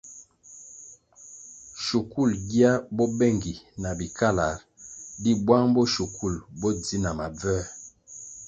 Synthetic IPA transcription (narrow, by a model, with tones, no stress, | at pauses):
ʃu˨ku˦˨lɡi˦a˦bɔ˦bɛ˦˨ŋɡi˨na˨bi˨ka˦la˨ɾ | di˦bwa˦ŋbɔ˦ʃu˨ku˦˨lbɔ˦d͡zi˦na˨ma˨b͡vɛ˦